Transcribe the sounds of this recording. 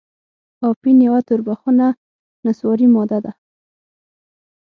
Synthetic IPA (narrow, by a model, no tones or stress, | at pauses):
ɑpinjawat̪ʊɾbaxuna | naswɔɾimɔd̪ad̪a